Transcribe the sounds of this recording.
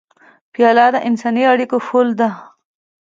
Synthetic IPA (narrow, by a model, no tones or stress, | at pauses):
pjɑlɑd̪əʔɪnsɑniaɽikofold̪a